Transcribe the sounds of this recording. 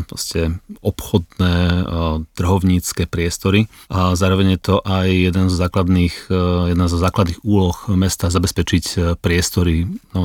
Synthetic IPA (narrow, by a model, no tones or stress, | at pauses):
pɾɔ̰scɛɔpxɔd̪nɛːt̪r̩ɦɔʊɲiːt͡skɛːpɾɪɛst̪ɔɾizaːɾɔʋɛɲjɛt̪ɔʔajjɛd̪ɛnzɔzaːklad̪niːxjɛd̪nazɔzaːklad̪niːɣuːlɔxmɛst̪aːzabɛspɛt͡ʃicpɾɪɛst̪ɔɾinɔ